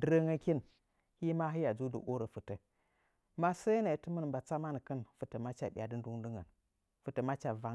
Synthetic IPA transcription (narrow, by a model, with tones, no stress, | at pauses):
də˦ɾə˦ŋə˦ki˦n | hi˦ma˦ɦi˦ja˨d͡zu˦də̰˨ʔo˦ɾə˨fɨ˨tə˨ | ma˦sə˦jə˦na˨i˨˦tɨ˦mə˦n˨mba˨t͡sa˦ma˦nə˨kə˦nfɨ˨tə˨ma˦t͡ʃa̰˨ɓi˨a˨dɨ˦n˦du˦ŋdɨ˦ŋə̰˨n | fɨ˨tə˨ma˦t͡ʃa˨va˦ŋ